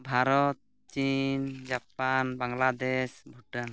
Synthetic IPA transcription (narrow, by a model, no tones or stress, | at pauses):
bʱaɾɔt̪̚ | t͡ʃind͡ʒapanbaŋlad̪esbʱuʈən